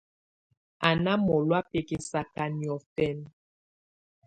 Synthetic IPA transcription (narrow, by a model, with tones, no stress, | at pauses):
a˨na˦mɔ˨lwa˦pe˨ke˨sa˨ka˨njɔ˨fɛ˦˨n